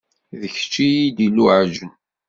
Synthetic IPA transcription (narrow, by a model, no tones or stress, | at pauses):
ðəçə̥t͡ʃːijid̪iluʕʒən